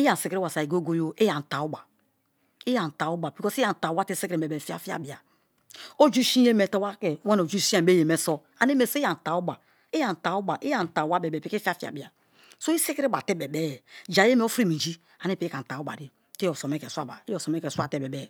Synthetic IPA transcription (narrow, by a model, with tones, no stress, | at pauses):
i˦a˨n̩˨si˦kɾi˦wa˨sa˨i˨ɡo˦ɡo˦jo˦e˦ja˨n̩˨ta˨u˦ba˨ | i˦ja˨n̩˨ta˨u˦ba˨bi˨kɔ˦si˦a˨n̩˨ta˨u˦ba˦te˦se˦kɾe˨be˨fi˦a̰˦fi˦a̰˨bi˨a˨ | o˦d͡ʒu˦ʃi˦e˦me˨to˦wa˦ke˨˦e˦n˨o˨d͡ʒu˦si˦a˦˨be˦je˨me˨so˦ | a˨ne˦me˨sa˨n̩˨ta˨u˦ba˨ | i˦ja˨n̩˨ta˨˦u˦ba˨ʔi˦ja˨n̩˨ta˨˦wa˦be˨be˨pi˦ke˦fi˦a˦fi˦a̰˨bi˨a˨ | so˦i˦se˦ke˦ɾi˦ba˨te˦be˨be˦jɛ˨d͡ʒa˨je˦me˦o˦fɾi˦˨mi˨d͡ʒi˦ | a˨ne˦pe˦a˨n̩˨ta˨u˦ba̰˨di˦ | te˦jo˨so˨me˦ke˨sʷa̰˦˨ba̰˨i˦jo˨so˨me˦ke˨sʷa̰˦˨te˦˨be˨be˦˨